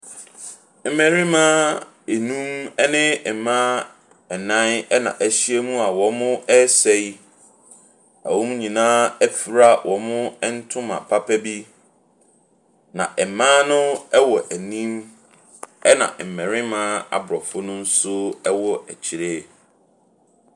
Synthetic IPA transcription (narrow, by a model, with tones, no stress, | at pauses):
m̩˦mɛ̃˨ɾɪ̃˦mãː˦ | e˨nũ˦mɛ˦nɪ̃˦ɛ˨mã˦ | ɛ˨nã˦nɛ˦nã̰˨ʔæ˨ɕi˦e˦mũ˦a˨wɔ̃˨˦mʊ̃˦ɛ˦sɛ˨i˦ | æ̰˨wʊ̃˦m˦ɲĩ˨nãː˦æ˦fi˨ɾa˦wʔɔ̃˨mʊ̃˦ɛ˦n̩˦tʰʊ̃˦mã̰˨pʰa˦pʰæ˦bi˦ | nã̰˨ʔɛ˨mãː˦nʊ̃˦ɛ˦wɔ˨ʔæ˨nĩ˦m | ɛ˦nã̰˨m̩˨mɛ̃˨ɾɪ̃˦mãː˦a̰˨bɾɔ˨fʊ˦nʊ̃˦n̩˦sʊ˦ɛ˦wɔ˦ʔæ˨t͡ɕʰi˨ɾe˦